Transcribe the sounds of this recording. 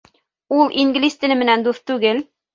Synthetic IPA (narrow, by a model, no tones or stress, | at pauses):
ulˠʔiŋɡlist̪ɘ̆lɘmɘ̆nænd̪uθt̪ʉɡɘl